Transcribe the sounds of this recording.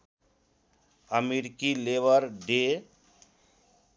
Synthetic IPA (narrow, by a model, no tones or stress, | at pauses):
əmeɾikileʋəɾɖe